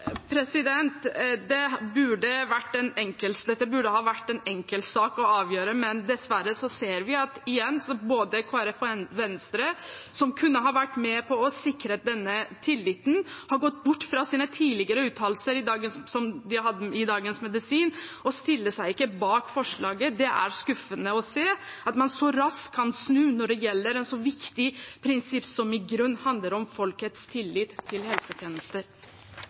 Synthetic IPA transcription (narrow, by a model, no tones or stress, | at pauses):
pʰɾɛsɪd̪ɛnt̪d̪ɛbʉɖəʋæʈːɛnɛŋkəld̪ɛt̪ːəbʉɖəhɑːʋæʈːɛnɛŋkəlsɑːkɔɑːʋjøːɾəmɛnd̪ɛsʋæɾəsɔseːɾʋɪɑt̪ɪjɛnːsɔboːd̪əkʰoːæɾɛfɛnʋɛnst̪ɾəsɔmkʰʉnːəɦɑɾʋæʈːmɛpʰɔɔsɪkɾəd̪ɛnːət̪ʰɪlːɪt̪n̩hɑɾɡɔt̪ːbʊʈːfɾɑsiːnət̪ʰiːlɪɡəɾəʉːt̪ʰɑːllsəɾɪd̪ɑːɡəsɔmd̪ɪhɑd̪ːəɪd̪ɑːɡənsmɛd̪ɪsiːnɔst̪ɪlːəsæɪɪkːəbɑːkfɔʂɭɑːɡəd̪ɛʔæ̰ɾskʉfənəɔseːɑt̪mɑnsɔɾɑskʰːɑnsnʉːnɔɖɛjɛlːəɾɛnsɔʋɪkt̪ɪpʰɾɪnsɪpːsɔmɪɡɾʉnːhɑnd̪ləɾɔmfɔlkət̪st̪ʰɪlːɪt̪ʰːɪlhɛlsət̪ʰjeːnəst̪əɾ